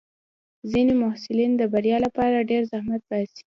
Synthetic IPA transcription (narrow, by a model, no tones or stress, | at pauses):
zinemʊhsɪlind̪əbaɾjɑlapɑɾaɖeɾzahmat̪̚basi̥